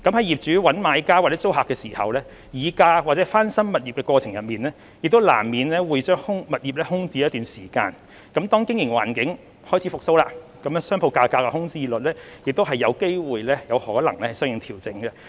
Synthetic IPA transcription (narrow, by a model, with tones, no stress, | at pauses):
kɐ˨˥mhɐ˨˥jiː˨p̚t͡ʃyː˨˥wɐ˨˥nmaː˨˧jkaː˥wa˨t͡sɛ˨˥t͡so˥wɦaː˨kːɛː˧siː˨˩hɐ̰˨wlɛː˥ | jiː˨˧kaː˧waː˨t̚t͡sɛː˨˥faː˥nsɐ˥mːɐ˨t̚jiː˨p̚kɛː˧kwɔː˧t͡sʰɪ˨˩ŋjɐ˨t̚miː˨˩nlɛː˥ | jɪ˨k̚t̪o˥wla̰ː˨˩mmiː˨nlɛː˥wuː˨˧jt͡ʃœː˥ŋhʊ˥ŋmɐ˨t̚jiː˨p̚lɛː˥hʊ˥ŋt͡siː˧˦jɐ˥t̪yː˨nsiː˨˩ka̰ː˧n | kɐ˨˥mt̪ɔː˥ŋkɪ˥ŋjɪ˨˩ŋwa̰ː˨˩nkɪ˨˥ŋ | hɔː˥jt͡sʰiː˨˥fʊ˨k̚so˧˥wlaː˧ | kɐ˨˦m˧˥sœː˥ŋpʰo˧wkaː˧kaː˧kːɛ˧hʊ˥ŋt͡siː˥lɵ˨t̚lɛː˥ | jɪ˨k̚t̪o˥wɦɐ˨jːɐ˨˧wke˥jwuː˨jlɛː˥jɐ˨˧whɔː˨˥lɐ˨˩ŋlɛː˥hɐ˨˩sœː˥ŋjɪ˨˧ŋt̪ʰiː˨˩wt͡sɪ˨˥ŋɡɛ˧